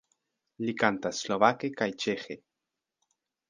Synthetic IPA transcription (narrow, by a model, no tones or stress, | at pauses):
likant̪asloβakekait͡ʃexe